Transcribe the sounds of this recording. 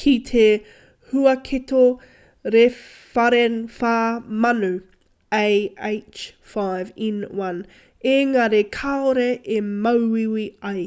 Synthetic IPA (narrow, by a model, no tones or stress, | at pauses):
kʰit̪ʰe | hʉɐkʰet̪o | ɾe | fɐɾefaːmɐnʉ | ejejt͡ʃ | fajvinwɐn | eŋaɾekʰaoɾeʔemɐwwiwiɐj